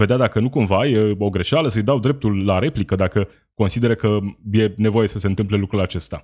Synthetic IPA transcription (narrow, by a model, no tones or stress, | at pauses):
ve̞d̪ead̪akənukumvajo̞ɡɾe̞ʃaləsəjd̪awd̪ɾe̞p̚t̪ulːaɾe̞plikəd̪akə | ko̞nsid̪e̞ɾəkəje̞ne̞vo̞je̞səse̞ɨnt̪ɨmple̞lukɾulat͡ʃe̞st̪a